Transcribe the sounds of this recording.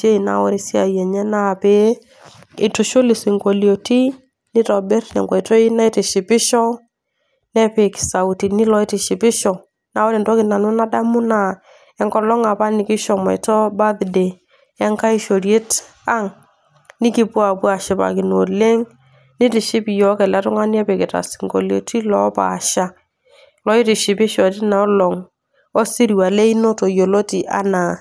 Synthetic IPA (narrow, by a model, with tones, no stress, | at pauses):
t͡ʃe˦i˨na̰˨˦wɔ˦ɾi˦˨sɪ˦a̰˨jɛ˨ɲɛ˦na˦˨pe˦ | ɪ˨tʊ˨ʃʊ˦lɪ˨sɪ˨ŋko˨ljo˨ti˦ | nɪ˦tɔ˨bɪ˦ɾnɛ̰˨ŋɡwa˨jtɔ˦i˦na˦ɪ˦tɪ˨ʃɪ˨pɪ˦ʃɔ˦ | nɛ˦pe˨kɪ̥˨sa˨ʊ˨ti˨nɪ˦lɔ˦ɪ˦tɪ˨ʃɪ˨pɪ˦ʃɔ˨ | na˨wɔ˦ɾɪ˨ntɔ˦kɪ˨na˨nʊ˦na˦da˦mʊ˦na˨ | ɛ˦ŋkɔ˨lɔ˦ŋa˨pa˦nɪ˨˦kɪ˦ʃɔ˨mɔ̰˨jtɔ˦ba˦ðde˨ | ɛ˦ŋka˦ɪ˦ʃo˨ɾje˦t | a˦ŋ | nɪ˦kɪ˦pwa˨pwa˨ʃɪ˨pa̰˨kɪ˨no˨le˦ŋ | nɪ˦tɪ˨ʃɪ˦pi˨jɔ˨˦kɛ˨lɛ˦tʊ˦ŋa˦n˦a˦pɪ˨kɪ˨ta̰˨sɪ̥˨ŋɡo̰˨lo̰˨ti˦lɔ˦pa̰˨ʃa˦ | lɔ˦ɪ˦tɪ˨ʃɪ˨pɪ˦ʃɔ˨tɪ˦na˨ɔ˦lɔ˨ŋ | ɔ˦si˦ɾi˨wa˨le˦i˦no˦to˨jo˨lo˦ti˨ʔa̰˨na˨